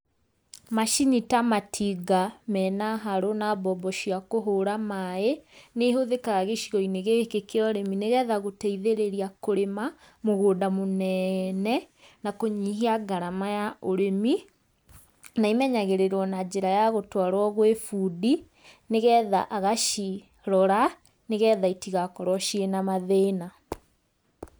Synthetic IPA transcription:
maʃinitamatʰiɡamɛːnaɦaɾonabɔbɔʃiakoɦoɾamaeneɦoðekaɣaɣeʃiɔineɣekekeɔɾemineɣɛːðaɣotɛiðeɾeɾiakoɾema | moɣoːdamonɛnɛ | nakoɲiːɦiaɡaɾamajaʔoɾemi | naimɛɲaɣeɾeɾwɔnad͡ʑeɾajaɣotwaɾwɔɣowefuːdi | neɣɛːða̰ʔaɣaʃi | ɾɔɾa | neɣɛːðaitiɣakɔɾwɔʃienamaðeːna

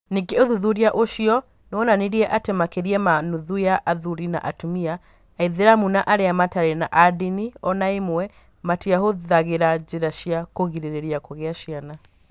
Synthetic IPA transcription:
neɡeoðuðuɾiaʔoʃiɔ | nɔnaniɾiɛʔatemakeɾiɛmanuðujaʔaðuɾina̰ʔatumiaː | iðeɾamunaʔaɾeamataɾenaʔadiniɔnaemwɛ | matiaɦoðaɣeɾad͡ʑeɾaʃiakoɣiɾeɾeɾiakoɣeaɕiana

